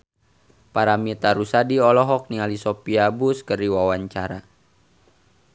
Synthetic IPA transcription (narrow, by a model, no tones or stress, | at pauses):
paɾamit̪aɾusadiɔlɔɦɔk̚nialisɔpiabuskəriwawaɲt͡ʃaɾa